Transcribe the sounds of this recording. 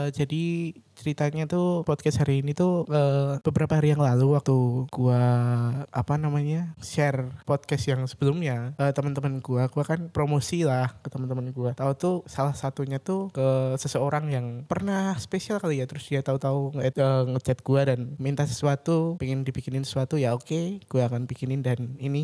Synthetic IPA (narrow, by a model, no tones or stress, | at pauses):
d͡ʒadit͡ʃəɾit̪aɲat̪upɔd̪̚kɛshaɾiːnit̪uʔəb̥əbəɾapaɦaɾijaŋlaluwak̚t̪uɡ̥ua | apanamaɲaʃɛrpɔd̪̚kɛst̪jaŋsə̥bəlʊmɲaəːt̪əmənt̪əmənɡuaɡ̥uakanpɾomosilahkət̪əmənt̪əmənɡuat̪aut̪usalahsat̪uɲat̪ukəsəsəoɾaŋjaŋpərnahsə̥pesialkalijat̪əɾʊsdiat̪aut̪auŋəŋət͡ʃat̪̚ɡ̥uadanmint̪asə̥suat̪upeŋɪndipikɪnɪnsə̥suat̪ujaokeɡ̥uaːkanpikɪnɪndanini